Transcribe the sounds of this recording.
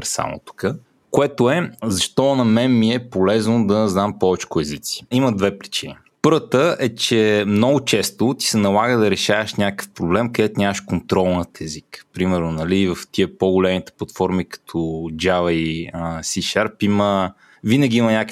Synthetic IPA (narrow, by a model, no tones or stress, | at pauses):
pɾɛssa̰mo̰t̪u̥kə | koɛt̪oɛzɐʃt̪ɔnɐmɛnmiɛpolɛznod̪ɐznampɔvɛt͡ʃkʊɛzit̪si̥iməd̪vɛpɾit͡ʃini | pɤɾvət̪əʔɛt͡ʃɛmnɔɡʊt͡ʃɛst̪ʊt̪i̥sɛnɐlˠaɡəd̪ɐɾɛʃavəʃnʲakə̥fpɾoblɛmkɐd̪ɛt̪ʊnʲaməʃkont̪ɾɔlˠnət̪ɛzikpɾimɛɾnʊnɐlivɐft̪iəpoɡʊlɛmit̪ɛ̥plˠɐt̪fɔɾmikə̥t̪ʰɔd͡ʒavɐisiʃaɾpimə | vinəɡʲiimɐnʲak